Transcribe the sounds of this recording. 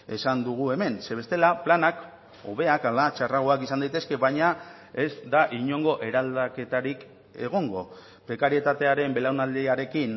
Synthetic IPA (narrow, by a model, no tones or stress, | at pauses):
e̞sand̪uɣ̞ue̞me̞nseβe̞st̪e̞laplanak | o̞̰βe̞akalat͡ʃaraɣ̞o̞akisand̪ajt̪e̞ske̞βajɲa | e̞zd̪aʔiɲo̞ŋɡo̞ʔe̞ɾald̪ake̞t̪aɾik | e̞̰ɣ̞o̞ŋɡo̞ | pɾe̞kaɾie̞t̪at̪e̞aɾe̞mbe̞lawnald̪eaɾe̞kin